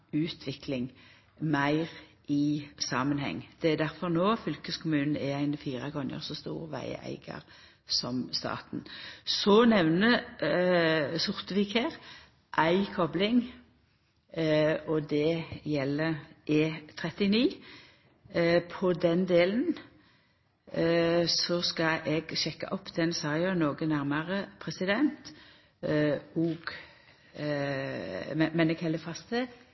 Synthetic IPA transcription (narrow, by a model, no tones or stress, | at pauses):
ʉːt̪ʰʋɪklɪŋ | mæɪʁʔɪsɑːmənhɛ̰ŋːd̪̥ɛæd̪æʁfɔʁnoːfʏlkəskʰʊmʉːnn̩ɛæɪnfiːʁɑkʰʁʉnjə̰ʁsɔst̪ṵːʁʋæ̰ɪæ̰ɪɡɑ̰ʁ | sɔmst̪ɑ̰ːt̪n̩sɔnɛʋnə | sʊʁt̪əʋiːkheːʁ | ʔæɪkʰɔblɪŋ | ɔd̪ɛjɛlːəʔeːt̪ʰʁɛt̪ɪniː | pʰɔd̪ɛnd̪eːlən | sɔskɑʔɛɡʃɛkːɑ̰ʔɔpːd̪̥ɛnsɑʁɪənoːɡənæʁməʁəpʰʁɛsɪd̪ɛnt̪ | ɔːɡ̥ | mɛmɛnɛɡhɛlːəfɑst̪ə